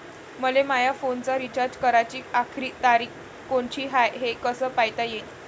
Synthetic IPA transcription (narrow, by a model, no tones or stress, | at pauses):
məlemajafont͡saɾit͡ɕaɾd͡ʑkəɾat͡ɕiːakʰɾiːt̪aɾiːk | koɳt͡ɕiːɦajɦekəsəːpajt̪ajet̪